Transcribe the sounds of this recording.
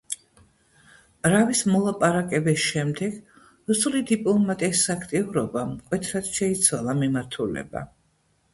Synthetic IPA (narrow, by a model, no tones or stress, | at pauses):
ɾavismɔlˠapʼaɾakʼɛbisʃɛmd̪ɛɡ̥ | ɾusulid̪ipʼlɔlˠmat̪ʼɛsakʰt̪ʼiuɾɔbamkʼwɛt̪ʰɾad̪̥ʃɛit̪sʰwalˠamimaɾt̪ʰulɛ̰ba̰